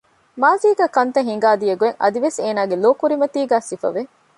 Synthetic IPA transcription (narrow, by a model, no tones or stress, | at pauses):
maːziːɡæːkɐnt̪ɐɦiŋ̆ɡaːd̪ijɐɡueŋɐ̰d̪iʋeseːnaːɡeloːkuɾimɐt̪iːɡæːsifɐ̰ʋe